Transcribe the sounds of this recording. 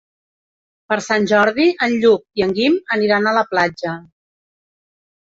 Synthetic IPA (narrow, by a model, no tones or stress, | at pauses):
pəɾsanʲʒɔɾðiʔənʎuk̚iəŋɡiməniɾanələplad͡ʒə